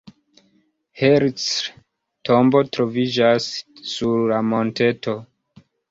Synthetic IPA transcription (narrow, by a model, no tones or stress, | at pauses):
heɾt͡s | tʰo̞mbo̞tɾo̞vid͡ʒasːuɾlamo̞nte̞to̞